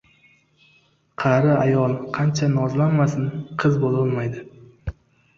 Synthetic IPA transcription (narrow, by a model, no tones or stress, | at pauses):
qʰɑɾɪajɒlˠqʰɑnt͡ʃʰanɒzlanmasɪnqʰɨzbolɒlˠmajd̪ɪ